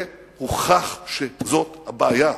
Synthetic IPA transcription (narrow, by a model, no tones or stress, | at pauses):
huχaχʃezot̪habaaja